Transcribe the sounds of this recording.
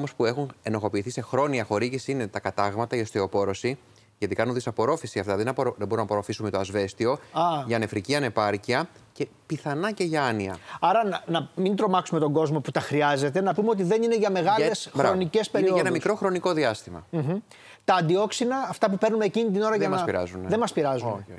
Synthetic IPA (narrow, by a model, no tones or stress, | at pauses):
mo̞spue̞xune̞no̞xo̞piːθise̞xɾo̞niɐxo̞ɾiʝisine̞t̪ɐkɐt̪ɐɣmɐt̪ɐiost̪io̞po̞ɾo̞si | ʝɐt̪ikɐnunðisɐpo̞ɾo̞fisiɐft̪ɐðenoðebo̞ɾunɐpo̞ɾo̞fisume̞t̪oɐzve̞st̪io̞ɐʝɐne̞fɾiciɐne̞pɐɾciɐce̞piθɐnɐce̞ʝɐɐniɐ̰ɐɾɐnɐmind̪ɾo̞mɐksume̞t̪o̞ŋɡo̞zmo̞put̪ɐxɾiɐze̞t̪e̞nɐpumeo̞t̪iðe̞nine̞ʝɐme̞ɣɐle̞sxɾɐonice̞speɾioenɐmiskɾo̞xɾo̞niko̞ðiɐst̪imɐ̰m̩ɦ̩ | t̪ɐːnd̪io̞ksinɐːft̪ɐpupe̞ɾnumecinit̪̬ino̞ɾɐʝɐnɐsiɾɐ̰zunðemɐspiɾɐzu